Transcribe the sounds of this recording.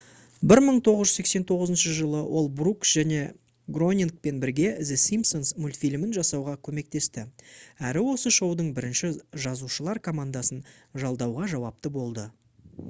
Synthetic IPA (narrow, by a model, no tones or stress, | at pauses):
bɪɾməɴt̪ʰo̞ʁəzʒʏ̥e̞kse̞nt̪ʰo̞ʁəzənʃəʒəlˠəwʔo̞lˠbruksʒ̥æne̞ | ɡro̞nʲiŋk̚pe̞nbɪɾɡʲe̞zɪsimsonsmulʲt̪fʲilʲmɪnʒɑsɑwʁɑkʲʰɵme̞k̚t̪e̞st̪ɪæɾɪwo̞səʃo̞wd̪əɴbɪɾɪnʃɪʒɑzuʃəlˠɑɾkʰo̞mand̪ɑsənʒɑlˠd̪ɑwʁɑʒɑwɑp̚t̪əbo̞lˠd̪ə